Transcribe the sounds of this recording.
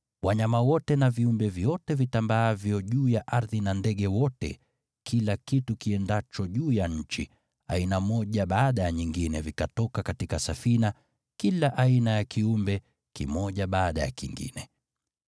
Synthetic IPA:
waɲamawɔtɛnaviumbɛvjɔtɛvitambaavjɔʄuːjaʔaɾðinandɛɠɛwɔtɛ̰ | kʰilakitukiɛndat͡ʃɔʄuːjaɲ̩t͡ʃḭ | a̰inamɔʄaɓaːɗajaɲiŋɡinɛvikatɔkakatikasafina | kilaʔainajakʰiumbɛ | kimɔʄaɓaːɗaja̰kiŋɡḭnɛ

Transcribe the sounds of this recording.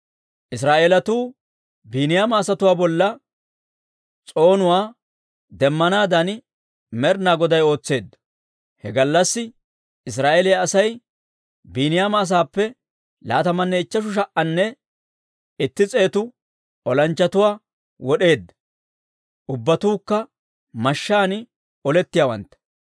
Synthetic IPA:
ʔɪs̬ɾaːʔeːlɐt̪uː | biːnɪjaːmɐːsɐt̪ʊwaːbɔlːɐ | t͡sʼo̞ːnʊwaː | d̪ɛmːɐnaːd̪ɐn | mɛɾnaːɡɔd̪ɐjo̞ːt͡sːe̞ːd̪ːɐ̥ | hɛɡɐlːɐsːɪ | ɪs̬ɾaːʔelɪjaːsɐj | biːnɪjaːmɐːs̬aːpːɛ | la̰ːt̪ɐmɐnːɛɪt͡ʃːɐʃ̬ʊʃ̬ɐʔʔɐnːɛ | ɪt̪ːɪt͡sʼe̞ːt̪ʊ | ɔlɐnt͡ʃːɐt̪ʊwaː | wɔɗe̞ːd̪ːɐ̥ | ʔʊbːɐt̪uːkːɐ | mɐʃːaːnɪ | ɔlɛt̪ːɪjaːwɐ̰nt̪ːɐ̥

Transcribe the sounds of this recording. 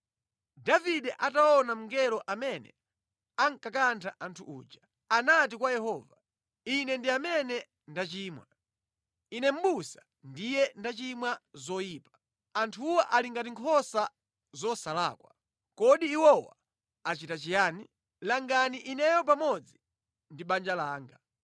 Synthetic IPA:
daviɗɛʔataɔnam̩ŋɡɛlɔʔamɛnɛ̰ | aŋkakantʰaʔantʰṵʔṵːd͡ʒa | anat̬ikwajɛɦɔːva | inɛndiamɛnɛ | ndat͡ʃiːmwa | inɛm̩ɓusḁ | ndijɛndat͡ʃimwazɔjiːpḁ | antʰuwaʔaliŋɡatiŋkʰɔsa | zɔsala̰ːkwa | kɔɗiːwɔwa̰ | at͡ʃitat͡ʃijaːni | laŋɡaniʔinɛjɔp̬amɔd͡zi | ndiɓand͡ʒalaːŋɡa

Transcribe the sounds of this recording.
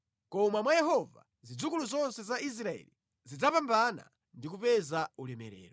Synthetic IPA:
kɔmamwajɛɦɔva̰ | zid͡zukuluzɔnsɛzais̬ɾaɛ̰li | zid͡zapambana̰ | ndikupɛzaulɛmɛɾɛ̰ːɾɔ

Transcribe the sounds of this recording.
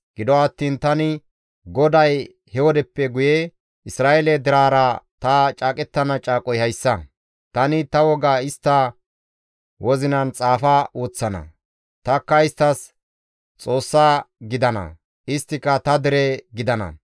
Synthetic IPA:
ɡ̥ɪd̪ɔɐt̪ːiːnt̪ɐnɪ | ɡɔd̪ɐj | hɛwɔd̪ɛpːɛɡʊje | ʔɪsɾaːjelɛd̪ɪɾaːɾɐt̪ɐt͡ʃʼaːkʼɛt̪ːɐnɐt͡ʃʼaːkʼɔjhɐjsːɐ | t̪ɐnɪt̪ɐwɔɡaɪst̪ːɐ | wɔzɪnɐnt͡sʼaːfɐwoːt͡sːɐnɐ̰ | t̪ɐkːɐɪst̪ːɐs | t͡sʼo̞ːsːaːɡɪd̪ɐnɐ̰ | ʔɪst̪ːɪkːɐt̪ɐd̪ɪɾɛɡɪd̪ɐnɐ̰

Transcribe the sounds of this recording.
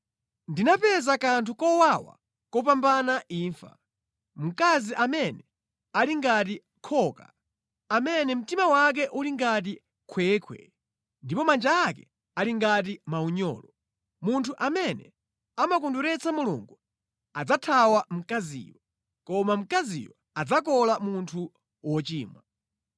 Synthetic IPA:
ndinapɛzakantʰukɔwawa̰ | kɔp̬ambanaʔiːɱfa̰ | m̩kaziʔamɛnɛ | aliŋɡat̬i | kʰɔːka̰ | amɛnɛm̩timawak̬ɛʔuliŋɡat̬i | kʰwɛːkʰwɛ̰ | ndipɔmand͡ʒaːk̬ɛ | aliŋɡat̬imauɲɔ̰ːlɔ | muntʰuʔamɛnɛ̰ | amak̬unduɾɛt͡sʰamulṵŋɡu | ad͡zatʰawam̩kazḭːwɔ | kɔmam̩kazḭwɔ | ad͡zak̬ɔlamuntʰu | wɔt͡ʃiːmwa

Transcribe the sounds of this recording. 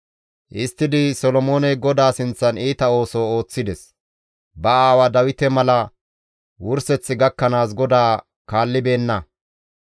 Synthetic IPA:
ʔɪst̪ːɪd̪ɪsɔlɔmo̞ːnɛɡɔd̪aːsɪnt͡sːɐniːt̪ɐo̞ːsoːoːt͡sːɪd̪ɛs | bɐaːwɐd̪ɐwɪt̪ɛmɐlɐ | wʊɾsɛt͡sːɪɡɐkːɐnaːsɡɔd̪aː | kaːlːɪbe̞ːnːɐ

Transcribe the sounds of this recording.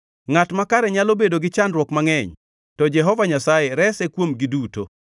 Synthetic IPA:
ŋatmakaɾɛɲalobedoɡɪt͡ʃandɾwɔkmaŋɛɲ | tɔd͡ʒɛɦɔvaɲasajeɾɛsɛkwomɡɪduto̰

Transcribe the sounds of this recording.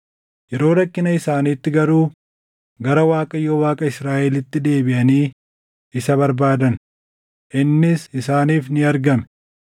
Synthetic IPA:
jɛɾo̞ːɾɐkːɪnɐɪsaːniːt̪ːɪɡɐɾuː | ɡɐɾɐwaːkʼɐjowaːkʼɐɪsɾaːʔɛlɪt̪ːɪd̪e̞ːbɪʔɐniː | ɪsɐbɐɾbaːd̪ɐn | ʔɪnːɪsɪsaːniːfnɪɐɾɡɐmɛ

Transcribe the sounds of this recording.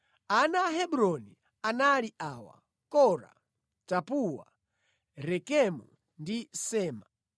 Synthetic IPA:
anaɦɛbuɾɔni | analiʔawa̰ | kɔɾa̰ | tapuwa̰ | ɾɛkɛmu | ndisɛːma

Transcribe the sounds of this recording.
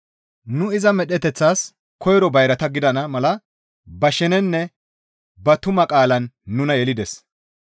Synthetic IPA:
nʊɪzɐmɛɗɛt̪ɛt͡sːaːs | kʰɔjɾɔbɐjɾɐt̪ɐɡɪd̪ɐnɐmɐlɐ | bɐʃɛnɛnːɛ | bɐt̪ʊmɐkʼaːlɐnːʊnɐjɛlɪd̪ɛs

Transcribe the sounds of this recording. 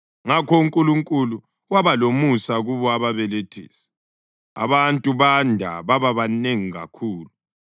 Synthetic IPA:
ŋakʰɔuŋkʼuluŋkʼulu | waβalomusaɣuβɔaβaβɛletʰḭːsɛ̥ | a̰βantʼuβandʱa̰βaβaβaneŋiɣa̰kʰuːlu

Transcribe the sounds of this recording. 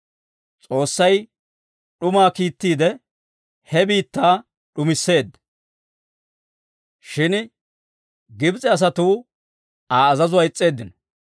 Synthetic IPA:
t͡sʼo̞ːsːɐj | ɗʊmaːkiːt̪ːiːd̪ɛ | hɛbiːt̪ːaː | ɗʊmɪsːe̞ːd̪ːɐ̥ | ʃɪn | ɡɪbt͡sʼɛɐs̬ɐt̪uː | aːɐzɐzʊwaɪt͡sʼːe̞ːd̪ːɪnɔ̥

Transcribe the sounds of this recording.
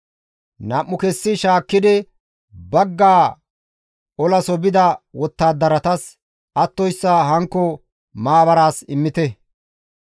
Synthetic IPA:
nɐʔːʊkɛsːɪʃaːkːɪd̪ɪ | bɐɡːaː | ɔlɐsɔbɪd̪ɐwɔt̪ːaːd̪ɐɾɐt̪ɐs | ɐt̪ːɔjsːɐɦɐŋkːɔ | maːbɐɾaːsɪmːɪt̪ɛ

